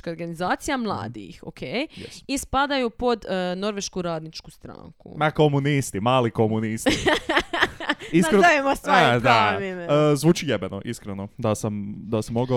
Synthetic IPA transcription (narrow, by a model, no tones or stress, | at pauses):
kaoɾɡanizaːt̪sijamlˠa̰ːd̪ḭxo̰kʰejjɛsispad̪ajupo̞d̪no̞ɾʋe̞ʃkuɾaːd̪nit͡ʃkust̪ɾa̰ːŋkṵmakomunist̪imaːlikomunisti | iskɾeemosʋdd̪aimezʋuːt͡ʃijebenoʔiskɾenod̪asamd̪asamo̞ɡa